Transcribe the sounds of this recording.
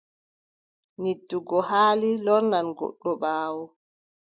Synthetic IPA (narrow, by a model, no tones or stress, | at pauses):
nidːuɡɔhaːlilɔɾnanɡɔ̰ɗːɔɓaːwɔ